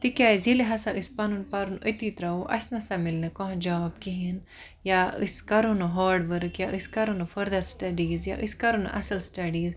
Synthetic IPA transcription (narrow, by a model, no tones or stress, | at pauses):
t̪ikʲjaːizileɦɐsaʔɨspɐnunpaɾunət̪iːt̪ɾauʔɐ̰snɐsamilnɨkɔɦd͡ʒaːbkiɦin | jaɨ̰skɐɾunɐɦaːɖʋəɾkjaʔɨskɐɾunɐfɐɾd̪ɐɾsʈɐɖiːzjaʔɨskɐɾun̰ʔɐ̰sɐlsʈɐɖiːz